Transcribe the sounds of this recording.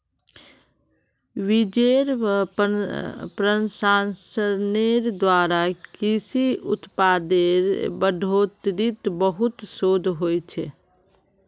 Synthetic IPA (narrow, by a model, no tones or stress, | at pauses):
ʋid͡ʒeɾ | pɾənsansəneɾd̪waːɾakisiʊ̰t̪pad̪eɾbəɖʱot̪ɾit̪bəɦʊt̪soːd̪ʱɦojt͡ʃʰɛ